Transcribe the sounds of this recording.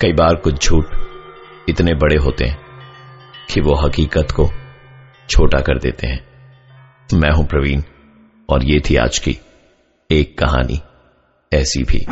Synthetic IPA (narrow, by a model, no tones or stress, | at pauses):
kɐiːbaːɾkʊt͡ʃʰd͡ʒʱuːʈ | ɪt̪nebɐɽeɦoːt̪eɦɛ̃ː | kʰiʋoːɦɐkiːkət̪ko | t͡ʃʰoːʈakɐɾd̪ḛːt̪ḛɦɛ̃ː | mɛ̃ːɦũpɾɐʋiːn | ɔːɾjeːt̪ʰia̰ːt͡ʃkḭ | eːkːɐɦa̰ːnʔḭ | ɛːsḭbʱḭː